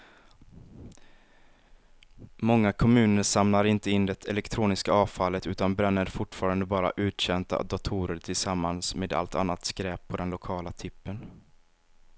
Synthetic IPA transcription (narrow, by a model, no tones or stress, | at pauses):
mɔŋːakʰɔmʉ̟ːnəɾʂamnaɾɪnt̪əɪnːd̪ɛt̪ʰɛlɛkt̪ʰɾuːnɪskaɑːvfalːət̪ʉ̟ːt̪anbɾɛnːəɾfʊʈːfɑːɾand̪əbɑːɾa̰ʔʉ̟ːt̪ɕɛnt̪a̰d̪ʊt̪ʰuːɾəɾʈ̪ʰɪlsamːansmeːd̪a̰lt̪ʰa̰nːat̪skɾɛːpʰːɔd̪ɛnlʊkʰɑːlat̪ʰɪpːən